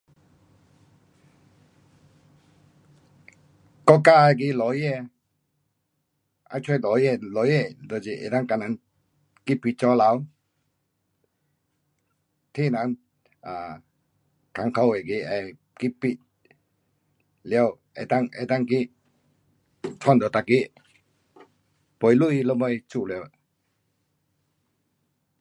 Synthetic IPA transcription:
kɔ˦ka˧˨a˧˨k̬i˧˨lɔ˨˦jɛ˧˨ | a̰˧t͡ʃʰwɔ˧˨lɔ˨jɛ˧˨lɔ˨˦jɛ˧˨dɔ˨d͡ʒi˧˨ʔḛ˨t̪a˦˧ŋka˧˨na˨˦n | ki˦pi˧t͡ʃɔ˧˦la˧˦w | t̪ʰi˦˨na˨˦n | a˨ | ka˨ŋkʰa˧wɛ˨ki˧ʔɛ˧˨ | ki˦pːi˧ | lɛ˧ə˧w | ɛ̰˨t̪a˧˨ŋɛ̰˨t̪a˧ŋki˦ʔ | tʰɔ˥˨ndɔ˨t̪a˧ki˦ʔ | pɔ˨jlu˦ʔi˧lə˧mɔ˧˨jt͡ɕu˧˨lɛ˧w

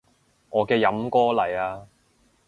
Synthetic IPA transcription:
ŋɔː˨˧kɛː˧jɐ˨˥mkɔː˥lɐ˨˩jaː˧

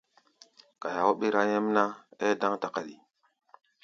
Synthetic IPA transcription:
ka˨ja˨wo˦ɓi˦ɾa˦je˦m˦na˦e˦da˦ŋta˨ka˨ɗi˨

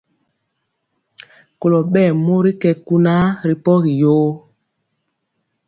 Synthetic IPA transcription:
ko˨lo˨ɓɛː˦˨mo˦ɾi˦kɛ˨ku˦na˦ɾi˨pɔ˦ɣi˨jo˦

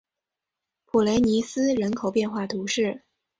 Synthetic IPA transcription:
pʰu˨˩le˧˥ɪni˧˥sɹ̩˥ɻə˧˥nkʰo˨˩ʊpjɛ˥˧nxwa˥˩t̪ʰu˧˥ʂɻ̩˥˩

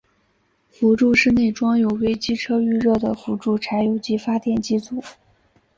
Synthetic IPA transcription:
fu˧˥ʈ͡ʂu˥˧ʂɻ̩˥˧ne˥˩ɪʈ͡ʂwɑ˥ŋjo˨˩ʊwe˥ɪt͡ɕi˥ʈ͡ʂʰɤ˥y˥˧ɻɤ˥˩d̪ə˩fu˧˥ʈ͡ʂu˥˩ʈ͡ʂʰa˧˥ɪjo˧˥ʊt͡ɕi˧˥fa˥t̪jɛ˥˩nt͡ɕi˥t͡su˨˩˦

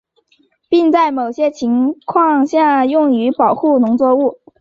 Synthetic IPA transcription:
pi˥˧ŋt͡sa˥˩ɪmo˨˩ʊɕjɛ˥t͡ɕʰi˧˥ŋkʰwɑ˥˧ŋɕja˥˧jʊ˥˩ŋy˧˥pɑ˨˩ʊxu˥˩nʊ˧˥ŋt͡swɔ˥˧u˥˩

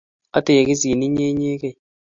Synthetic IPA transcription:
a˦te˨e˨ki˦s̬i˨e˨ni˦ɲe˦ɲe˦ke˦˨

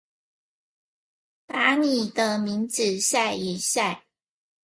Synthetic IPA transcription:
ta˧˥ni˨˩d̪ə˦mi˧˥ŋt͡sɻ̩˨˦ɕja˥˩ɪi˨˩ɕja˥˩ɪ

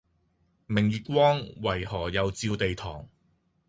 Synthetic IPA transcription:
mɪ˨˩ŋjiː˨t̚kʷɔː˥ŋwɐ˨˩jhɔː˨˩jɐ˨˧wt͡siː˧wt̪e˨jt̪ʰɔː˨˩ŋ

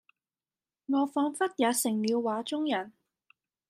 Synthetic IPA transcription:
ŋɔː˨˧fɔː˧ŋfɐ˥t̚jaː˨˧sɪ˨˩ŋmiː˨˧wwaː˨˥t͡ʃʊ˥ŋjɐ˨˩n

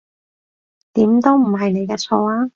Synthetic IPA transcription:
t̪iː˨˥mt̪o˥wm̩˨˩ɦɐ˨jne˨˧jkɛː˧t͡sʰɔː˧aː˥

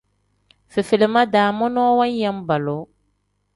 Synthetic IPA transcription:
fe˨fe˨le˨ma˦daː˨mɔ˦nɔ˦wa˦ɲ˦ja˦m˦ba˨lo˨˦

